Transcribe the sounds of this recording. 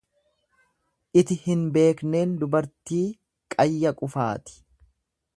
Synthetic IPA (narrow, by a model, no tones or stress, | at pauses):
ʔɪt̪ɪhɪnbe̞ːkne̞ːnd̪ʊbɐɾt̪iː | kʼɐjːɐkʼʊfa̰ːt̪ɪ̥